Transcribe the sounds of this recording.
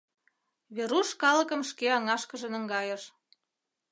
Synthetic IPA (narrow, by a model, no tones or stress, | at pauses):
βeɾuʃkɑlə̆kə̆mʃkeɑŋɑʃkəʒə̆nə̆ŋɡɑjəʃ